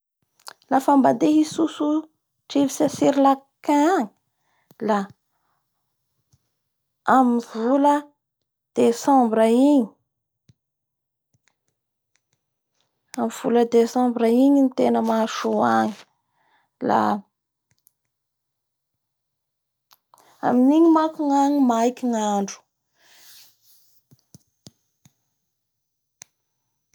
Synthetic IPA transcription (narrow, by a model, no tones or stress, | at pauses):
lafambad̪eɦisusu | ʈ͡ʂivisasiɾilakaaŋi̥ | la | amivulə | d̪̥esãmbɾaiɲi̥ | amv̥uləd̪esãmbɾaiɲinit̪enəmaʃuaŋi̥ | la̰ | a̰miniɲimakiŋaɲimajkʲiŋaɳɖ͡ʐu̥